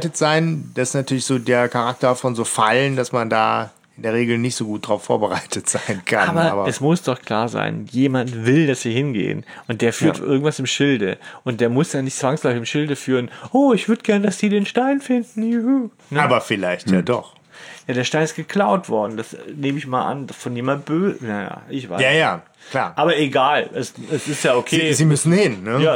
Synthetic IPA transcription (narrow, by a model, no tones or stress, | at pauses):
tətz̥aɪnd̥asɪ̥snatʰyːɐlɪçz̥oːdeːɐkʰaʁak̚tɐfɔnzoːfaləndasmanda̰ː | ʔɪndeːɐʁ̞eːɡl̩nɪçtz̥oːɡuːt̚d̥ʁaʊfːo̰ːɐbəʁaɪtʰətz̥aɪnkʰanaːbɐaːbɐɛsmʊsd̥ɔχkl̥a̰ːɐza̰ɪnjeːmantvɪldasv̥iːhɪnɡḛːə̰nʔʊnt̚d̥eːɐfyːɐtʔɪ̰ɐɡŋ̩tv̥asɪmʃɪldəʔʊnt̚d̥eːɐmʊsd̥aːnɪçtt͡sv̥aŋslɔfɪçɪmʃɪldəfyːʁənʔoːɪçv̥ʏɐdəɡɛɐnədasz̥iːdeːnʃtaɪnfɪndn̩juu | nəaːbɐfɪlaɪçtjaːdɔ̰χ | jaːɾeːɐʃtaɪnɪstɡ̥əkl̥aʊtv̥ɔɐdn̩dasneːməɪçmaːlʔa̰ndfɔnjeːmabøːznaja̰ːʔɪçv̥a̰ɪjajaː | kkl̥a̰ːɐʔaːbɐeɡaːlʔɛsɛsɪstjaːokʰeːzimʏsn̩hɪnːəjaː